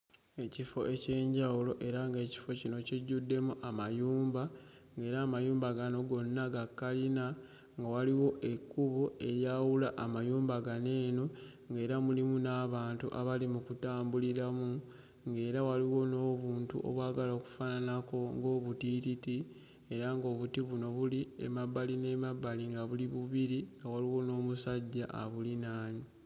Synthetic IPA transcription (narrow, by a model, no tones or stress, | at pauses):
e̞cifo̞ʔe̞ce̞ːɲɟawulo̞ʔe̞ɾaŋɡe̞ːci̥fo̞cino̞ciɟːudːe̞muʔamajuːmba | ŋɡe̞ːɾaːmajuːmbaɡano̞ɡo̞nːaɡakːalina | ŋɡawaliwo̞ʔe̞kːuβoe̞ɾjawulaʔːmajuːmbaɡane̞ːno̞ | ŋɡe̞ːɾamulimunaːβaːntṵʔa̰βalimukutaːmbuliɾamu | ŋɡe̞ːɾawaliwo̞no̞ːβuːntṵʔo̰βwaːɡalaoku̥fananako̞ŋɡo̞ːβutititi | e̞ɾaŋɡo̞ːβutiβuno̞βuliḛmabaline̞mabːaliŋɡaβuliβuβiɾiŋɡawaliwo̞no̞ːmusaɟːaʔa̰βulinaːɲi